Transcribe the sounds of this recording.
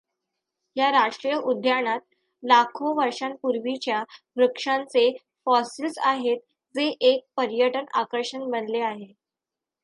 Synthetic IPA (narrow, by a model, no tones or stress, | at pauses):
ɦjaɾaʂʈɾijəʔud̪ʱjaɳat̪̚ | lakʰoʋəɾʂanpuɾʋit͡ɕjaʋɾəkʂant͡se | fɔsilsaɦet̪̚ | d͡zeʔek̚pəɾjəʈəna̰kəɾʂənbənleaɦe